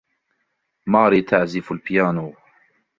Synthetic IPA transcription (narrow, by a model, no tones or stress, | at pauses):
maːɾiːt̪ʰaʕzɪfʊlpɪjaːnuː